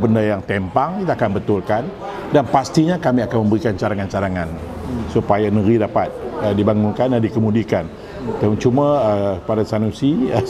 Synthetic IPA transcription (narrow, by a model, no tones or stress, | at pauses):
bəndajaŋt̪empaŋkit̪aːkanbət̪ʊlkan | danpast̪iɲakamiakanmə̃mbəɾikant͡ʃaɾaŋant͡ʃaɾaŋan | supajanəɾidapat̪̚ədibaŋuŋkandandikəmudikan | t̪amuŋt͡ʃumaəkəpadasanusi